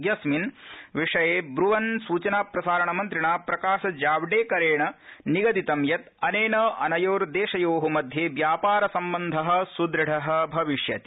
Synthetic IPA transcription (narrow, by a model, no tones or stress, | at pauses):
ɡjɐsminʋiʂɐjeːbɾuʋɐnsuːt͡ʃɐnaːpɾɐsaːɾɐɳɐmɐnt̪ɾiɳaːpɾɐkaːʃɐd͡ʒaːʋɖeːkɐɾeːɳɐniɡɐd̪it̪ɐmjɐt̪ɐneːnɐʔɐ̰nɐjoːɾd̪eːʂɐjoːɦɐmɐd̪ʱjeːʋjaːpaːɾɐsɐmbɐnd̪ʱɐɦɐ̆sud̪ɾɐɽɐɦɐ̆bʱɐʋiʂjɐ̰t̪i̥